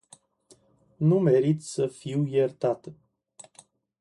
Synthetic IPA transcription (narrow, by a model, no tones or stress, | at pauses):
nume̞ɾit̪ʲsəfiwjert̪at̪ə